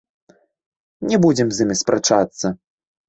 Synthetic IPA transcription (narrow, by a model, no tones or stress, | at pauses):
nʲɛbud͡zʲɛmzʲimʲispɾat͡ʂat̪sːɐ